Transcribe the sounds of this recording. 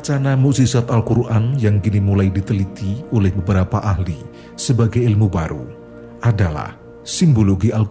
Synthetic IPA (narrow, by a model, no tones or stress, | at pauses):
t͡ʃanamuʔsisat̪alkuɾʔanjaŋkinimulajdit̪əlit̪iolɛhbəbəɾapaʔaɦli | səbaɡajɪlmubaɾṵ | ʔadala̰h | simboloɡiʔal